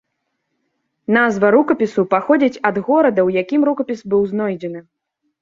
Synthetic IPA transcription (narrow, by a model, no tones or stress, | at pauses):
n̪azvɐɾukɐpʲisupaxɔd͡zʲit͡sʲɐd̪ɣɔɾɐd̪ɐwjakʲimɾukɐpʲisbɨwznɔjd͡zʲɛnɨ